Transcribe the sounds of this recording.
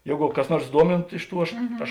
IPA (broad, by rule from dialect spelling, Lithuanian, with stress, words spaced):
ˈjeːɡʊ kɐs ˈnuɔrs ˈduɔmʲɪntʊ ˈɪʃ ˌtuː ˈɐʃ ˈɐʃ